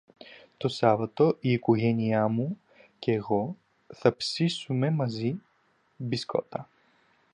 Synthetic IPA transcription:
t̪osavɐt̪oʔiːkuɣɛniamu | kɛɣɔ | θɐpsisumɛmɐzi | biskɔ̰t̪a

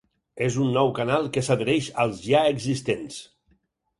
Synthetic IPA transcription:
ezunːɔwkanalˠkəsaðəɾɛʃəlˠzʒaəɡzist̪ens

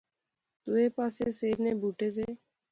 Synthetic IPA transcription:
t̪oːeːpaːseːseːɾneːbʱuːʈeːs̬eː

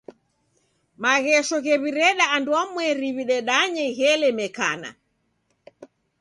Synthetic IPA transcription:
maɣɛʃɔɣɛβiɾɛɗaːnduamwɛɾiβiɗɛɗaɲɛɣɛlɛmɛka̰na̰

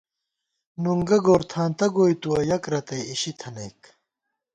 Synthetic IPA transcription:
nuŋɡɐɡoːɾt̪ʰaːnt̪ɐɡoːjt̪uwɐjɐkɾɐt̪ɐjiɕit̪ʰɐnɐjk

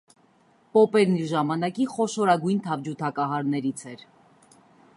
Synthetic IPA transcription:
pɔpɛɾniɾʒɑmɑnɑkiχɔʃɔɾɑɡujnt̪ʰɑvd͡ʒut̪ʰɑkɑɦɑɾnɛɾit͡sʰɛɾ

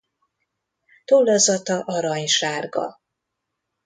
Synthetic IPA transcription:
t̪olːɒzɒt̪ɒʔɒɾɒɲʃaːrɡɒ̰

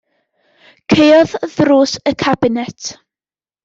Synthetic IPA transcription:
kʰejɔððruːsəkʰabɪnɛtʰ

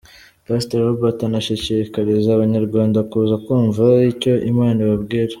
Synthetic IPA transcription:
pasteɾobatanaʃicikaɾizaːβaɲaɾɡwaːndakuːzakuːɱvaico̞ʔimaːniβabɡiːɾḁ

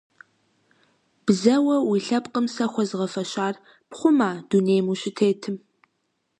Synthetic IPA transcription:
b̥zɐwɐwiɬɐpqəmsɐxʷɔzʁɐfɐʃaːr | pχʷʊmaːd̥uneːjmuːɕɪtʰeːtʰɨm

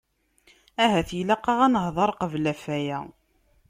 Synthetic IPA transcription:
æɦæθjlæqːɑʁænəhðˤɑɾˤqəvlæfæjæ

